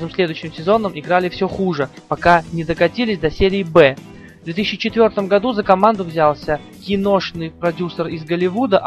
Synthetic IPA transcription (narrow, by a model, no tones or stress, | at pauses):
ɨmsʲlʲe̞d̪ʊjɕːɪmsʲɪzo̞nːəmʔɪɡɾalʲɪfsʲɵxuʐɨ | pɐkanʲɪd̪əkɐtʲilʲɪsʲd̪ɐsʲeɾʲɪːbɛ | vd̪vʲet̪isʲɕt͡ɕɪt͡ɕɪt̪vʲo̞rt̪əmɡɐd̪uzəkɐmand̪ʊvzʲalˠsʲə | kʲɪnoʂnɨjpɾɐdʲusərɪzɡəlʲɪvud̪ə